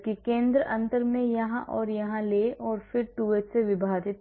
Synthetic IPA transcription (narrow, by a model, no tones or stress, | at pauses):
kikẽːnd̪ɾəʔɐ̃nt̪əɾmẽjɐɦãʔɔːɾjɐɦãleːʔɔːɾfɪɾʈuʋet̪seʋɪbʱaːd̪ɪt̪